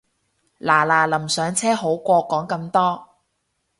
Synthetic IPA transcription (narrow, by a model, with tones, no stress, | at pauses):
laː˨˩laː˨˩lɐ˨˩msœː˨˥ŋt͡sʰɛː˥ɦo˨˥wkʷɔː˧kɔː˨˥ŋkɐ˧mt̪ɔː˥